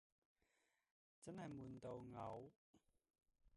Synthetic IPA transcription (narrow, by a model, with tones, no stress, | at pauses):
t͡sɐ˥nhɐ˨jmuː˨˩nt̪o˨wŋɐ˨˥w